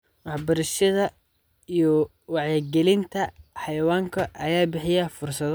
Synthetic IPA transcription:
wɑħbɐɾɐʃɐðɐ | ijɔ | wɑʕjɐɡɛlɪnt̪ʰɐħɑjɐwaːŋkʰɐʔɐjaːbɪħɪjɐfʊrsɐð

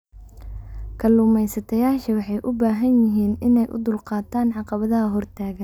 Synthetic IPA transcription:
kʰɐlʊmɛjsɐt̪ʰɐjaːʃɐwɑħɑjʔʊbaːɦɐnjɪɦiːnɪnɛjʔʊ̰d̪ʊlqɑːt̪ʰaːnʕɑqɑβɐðɐɦɐɦɔrt̪ʰaːɣɐn

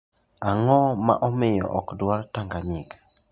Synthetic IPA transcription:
aŋɔma̰ʔɔmɪjɔ̰ʔɔkdwartaŋɡaɲɪk

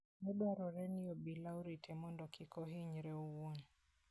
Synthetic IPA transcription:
mɛɓaɾɔɾɛniɔɓilauɾitʰɛmɔndɔkikɔɦiɲɾɛuwɔn

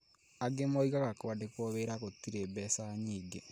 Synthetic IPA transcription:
aɡemɔiɣaɣakoadekwɔβeɾaɣotiɾebɛsaɲiːɡe

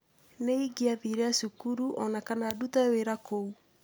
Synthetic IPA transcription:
neiɡiaðiɾɛasukuɾuʔɔnakanaːdutaweɾakou

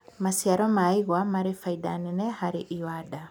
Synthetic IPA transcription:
masiaɾɔmaiɣwamaɾefaida̰nenɛhaɾeʔiwada

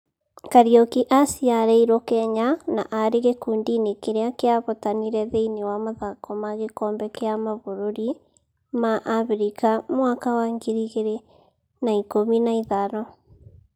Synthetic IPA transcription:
kaɾiɔkiʔasiaɾɛiɾɔkɛɲanaʔaɾeɣekuːndinekeɾeakeaβotaniɾɛðeinewamoðakɔmaɣekɔmbɛkeamaβoɾoɾi | maʔaβɾikamwakawaŋɡeɾiɣeɾe | naikominaiðaɾɔ

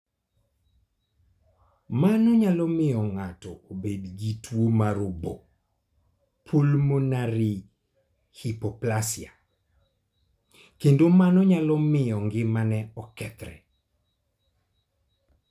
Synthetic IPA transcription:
manɔɲalɔmɪjɔŋatɔobedɡitwomaɾʊbo | pʰolmonaɾɪ | hipɔplasɪa | kendomanɔɲalɔmɪjɔŋɡɪmanɛɔkɛt̪ɾɛ̰

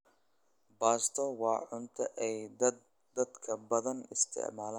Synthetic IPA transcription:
baːst̪ʰɔwɑːʕʊnt̪ʰɐʔɛj | d̪ɐd̪kʰɐbɐðɐnɪst̪ʰɪ̰ʕmaːlaː

